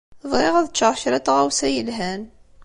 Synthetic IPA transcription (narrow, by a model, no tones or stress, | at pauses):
ðˤʁiʁæðt͡ʃːɑɾˤçɾat̪ʁawsæjəlɦæn